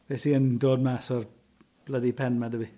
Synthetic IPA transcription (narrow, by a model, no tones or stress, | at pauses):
v̥esiəndoːd̚masɔr | b̥lədipʰɛnmadəvi